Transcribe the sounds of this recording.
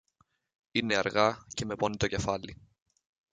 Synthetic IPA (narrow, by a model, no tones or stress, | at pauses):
ineɐɾɣɐceme̞ponit̪oce̞fɐli